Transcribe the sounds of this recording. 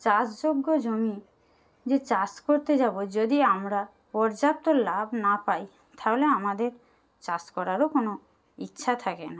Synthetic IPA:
t͡ɕasd͡ʑoɡːod͡ʑomi | d͡ʑet͡ɕaskoɾt̪ed͡ʑabod͡ʑod̪iamɾa | pɔɾd͡ʑap̚t̪olabʱnapaj | t̪ʰaɦoleamad̪eɾ | t͡ɕaskɔɾaɾokono | itːʃʰat̪ʰakḛna

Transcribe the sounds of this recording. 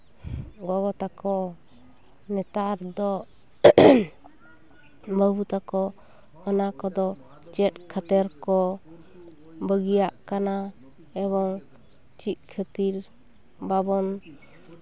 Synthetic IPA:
ɡɔɡɔt̪akɔ | nɛt̪aɾd̪ɔ | bəbut̪akɔ | ɔnakɔd̪ɔ | t͡ʃɛt̪̚kʰat̪ɛɾkɔ | bəɡijaʔkana | ɛβɔŋ | t͡ʃit̪̚kʰət̪iɾ | babɔn

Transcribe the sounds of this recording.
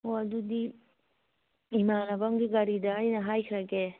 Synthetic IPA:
oɐdudi | imanɐbɐŋɡiɡaɾidɐːjnɐɦajkʰɾaɡe

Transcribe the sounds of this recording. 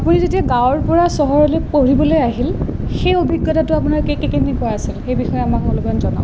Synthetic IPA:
apunizetiaɡãwɔɹpɔɹasɔɦɔɹɔlojpoɹibɔlojaɦil | xejobʱiɡːɔtatʊapʊnaɹkekɛkenikɔaasilxejbixɔjɛamakɔlɔɡɔanzɔna̰ʊ̃

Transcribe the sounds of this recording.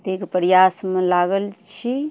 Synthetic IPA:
t̪ekpəɾjasmelaɡəlt͡ʃʰi

